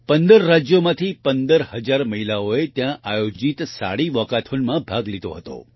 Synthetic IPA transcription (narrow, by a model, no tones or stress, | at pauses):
pənd̪əɾːad͡ʒjomãt̪ʰipənd̪əɾhəd͡ʒaɾməɦilaoet̪jãʔajod͡ʒit̪sa̰ɽiʋɔkat̪ʰonmãbʱaɡlid̪o̰ɦət̪o̰